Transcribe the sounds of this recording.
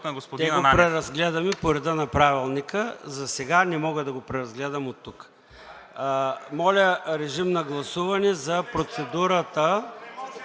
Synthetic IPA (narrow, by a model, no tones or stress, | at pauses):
ɡosod̪ɛɡopɾɛɾɐzɡlɛd̪ɐmipoɾɛd̪ənɐpɾavilˠnikəzɐsɛɡanɛmɔɡəd̪ɐɡopɾɛɾɐzɡlɛd̪ɐmot̪ːukː | mɔlʲəɾɛʒimnɐɡlˠɐsuvɐnɛzɐpɾot̪sɛd̪uɾɐt̪ə